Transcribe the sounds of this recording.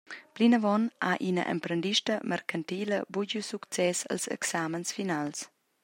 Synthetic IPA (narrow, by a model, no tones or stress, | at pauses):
plinəvɔnaʔinə̰ʔɛ̰mpɾəndiʃtəmɛɾkant̪iːləbuɟusukt͡sɛsə̰lsɛ̰ksamənsfinals